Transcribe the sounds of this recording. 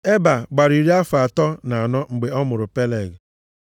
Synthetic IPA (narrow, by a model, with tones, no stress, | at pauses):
e˦ba˨ɡ͡ba˨ɾi˨ɾi˦a˦fa˨tɔ˦na˨a˨nɔ˦ŋ͡m̩˨ɡ͡be˨ɔ˦mʊ˨ɾʊ˨pe˦le˨ɡ